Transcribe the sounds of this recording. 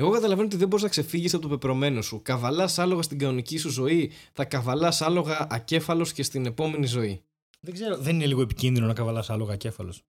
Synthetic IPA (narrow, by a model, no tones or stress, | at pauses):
e̞ɣo̞kɐt̪ɐlɐve̞noot̪iðeboɾiznɐkse̞fiʝisɐpot̪opepɾo̞me̞no̞sukɐvɐlɐsɐlo̞ɣɐst̪iɡɐonicisuzo̞iθɐkɐvɐlɐsɐlo̞ɣɐʔɐce̞fɐlo̞sce̞st̪ine̞po̞me̞nizo̞i | ðeɡze̞ɾo̞ðe̞nine̞liɣoepi̥cinðino̞nɐkɐvɐlɐsɐlo̞ɣɐce̞fɐlo̞s